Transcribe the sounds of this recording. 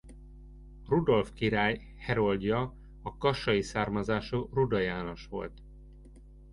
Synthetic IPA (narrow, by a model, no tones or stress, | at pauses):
rud̪o̞lfkiɾaːj | hɛɾo̞lɟ̪jɒ | ɒkɒʃɒjisaːrmɒzaːʃurud̪ɒjaːno̞ʃʋo̞̰lt̪